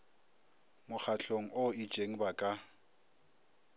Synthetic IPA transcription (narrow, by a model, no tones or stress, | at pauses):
mʊk͡xʰaɬʰoŋ̩ʔʊi̥t͡ʃʼeŋ̩bakʼa